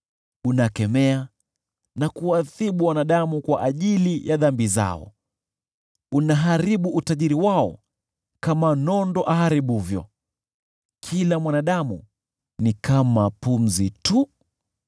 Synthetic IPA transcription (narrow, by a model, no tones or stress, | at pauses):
unakɛmɛa | nakuwaθiɓuwanaɗamukwaʔaʄilijʔaðambiza̰ɔ̰ | unaɦaɾiɓuʔutaʄiɾiwaɔ̰ | kamanɔndɔʔaɦaɾiɓuvjɔ̰ | kʰilamwanaɗamṵ | nikamapum̩zitu